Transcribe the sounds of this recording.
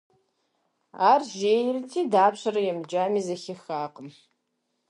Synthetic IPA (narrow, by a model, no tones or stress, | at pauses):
arʒejrtʰidaːpʰʃʷaɾajamd͡ʒamizaxʲɪxaːqʼəm